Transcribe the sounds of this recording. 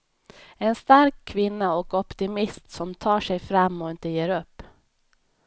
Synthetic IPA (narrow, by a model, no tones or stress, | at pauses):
enst̪aɾkʰːvɪnːaɔkɔpt̪ɪmɪst̪sɔmt̪ʰɑːʂɛjfɾɑmːɔɪnt̪əjeːɾɵpː